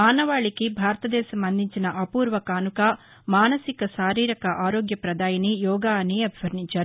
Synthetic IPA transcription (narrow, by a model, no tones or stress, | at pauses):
aːnɐʋaːɭikibʱaːɾt̪ɐd̪ɛːsɐmɐnd̪ʱiɲt͡ʃinɐʔɐpuːɾʋɐkaːnukɐ | maːnɐsikɐʃaːɾiːɾɐkɐʔaːɾoːɡjɐpɾɐd̪aːjɐnijɔːɡaːniɐbʱiʋɐɾɳit͡ʃɐɾ